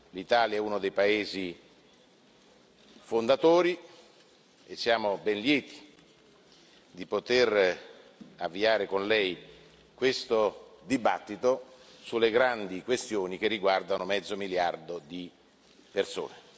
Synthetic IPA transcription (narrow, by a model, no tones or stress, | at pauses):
lit̪aːljaɛunod̪ejpaeːzi | fond̪at̪oːɾi | esːjaːmobɛnljɛːt̪i̥ | d̪ipot̪er | avːiaːɾekonlɛj | kwest̪od̪ibat̪ːit̪osulːeɡɾand̪ikwest̪joːnik̟erːiɡward̪anomɛd̪zːomiljard̪od̪i | perso̰ːne